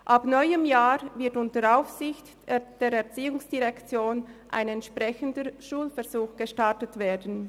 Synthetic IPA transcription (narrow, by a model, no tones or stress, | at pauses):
ʔapnɔʏəmjaːɾvɪɐtʊntəɾaʊfsɪçt | d̥eːɾɛɐt͡siːʊŋsd̥iʁɛkt͡sjoːnʔa̰ɪnɛntʃpʁɛçəndəʃuːlfɛɐzuːxɡ̥əʃtaɐtətv̥eːɐdn̩